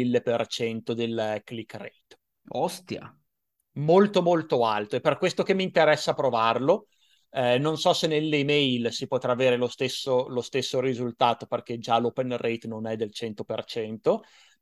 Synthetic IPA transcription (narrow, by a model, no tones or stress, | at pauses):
ilːepert͡ʃɛnt̪od̪elklikːrɛ̰jt̪ | ɔst̪ja̰ | molt̪omolt̪oalt̪oepːerkwest̪ok̟emːiːnt̪eɾɛsːaːpɾovarlo | ɛnonsɔsenelːemɛjlsipot̪ɾaːveːɾelost̪esːolost̪esːoɾizult̪aːt̪operk̟ed͡ʒalopenrʔɛjt̪nonɛd̪elt͡ʃɛnt̪opert͡ʃɛnt̪o